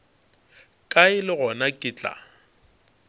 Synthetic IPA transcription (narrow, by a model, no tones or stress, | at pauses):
kʼaɪlɪɣɔnakʼɪt͡ɬʼa̰